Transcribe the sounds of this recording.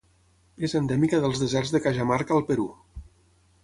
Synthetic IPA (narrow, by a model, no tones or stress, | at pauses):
ezənd̪ɛmikəðəlˠzðəzɛrzðəkaʒamaɾkəːlˠpəɾu